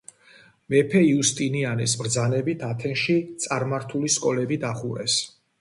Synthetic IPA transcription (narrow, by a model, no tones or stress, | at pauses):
mɛpʰɛiust̪ʼinianɛsmɾd̪zanɛbit̪ʰat̪ʰɛnʃit̪sʼaɾmaɾt̪ʰuliskʼɔlɛbid̪aχuɾɛ̰s